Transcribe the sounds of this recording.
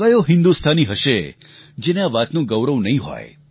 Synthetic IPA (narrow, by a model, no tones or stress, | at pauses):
ajoɦɪnd̪ust̪ʰaniɦəʃe | d͡ʒenaʋat̪nũɡəwɾəʋnəɦĩɦɔ̰j